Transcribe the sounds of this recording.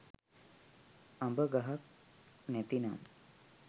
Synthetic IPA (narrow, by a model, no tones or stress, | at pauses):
ɐmbəɡɐɦak̚net̪ina̰m